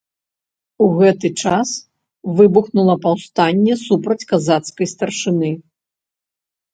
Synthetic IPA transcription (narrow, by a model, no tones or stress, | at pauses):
uɣɛt̪ɨt͡ʂas | vɨbuxnulˠɐpawst̪anʲːɛsupɾɐt͡sʲkazat̪skɐjst̪ɐrʂɨnɨ